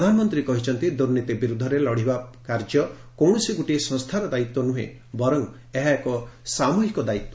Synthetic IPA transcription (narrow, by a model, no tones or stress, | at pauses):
pɾɔd̪ʱanɔmɔnt̪ɾikɔɦit͡ʃʰɔnt̪id̪uɾnit̪ibiɾud̪ʱːɔɾelɔɽ̤ibakaɾd͡ʒɔ | kɔwɽ̃ɔsiɡuʈisɔŋst̪ʰaɾɔd̪ait̪wɔnuɦḛ̃ | bɔɾɔŋ | eɦaekɔsamuɦikɔd̪ait̪wɔ